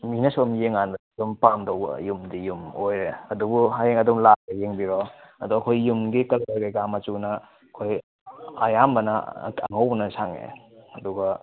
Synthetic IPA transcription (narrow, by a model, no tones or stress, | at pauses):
minɐsomjeŋanbɐdumpamdowbɐ̰jumdijumojɾeɐdubuɦajeŋɐdumlaɡɐjeŋbiɾɔɐduɐkʰojːumɡikɐlaɡeɡamat͡ʃunɐ | kʰoj | a̰jambɐnɐ̰aŋɐwbɐnɐsaŋḛɐduɡɐ